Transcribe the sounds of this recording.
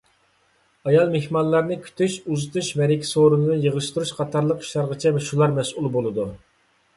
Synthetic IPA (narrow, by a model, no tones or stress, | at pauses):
ɑjɑlˠmehmɑnlːˠɑɾnɨkʲʰy̥t̪ʰyʃuzɨt̪uʃmɛɾɪkʲʰi̥soɾunɨd̪ɨnjəʁɨʃt̪uɾuʃqʰɑt̪ʰɑɾlˠəqi̥ʃlɑɾʁət͡ʃʰɛmɛʃulˠɑɾmɛsʔulˠbolˠɨd̪u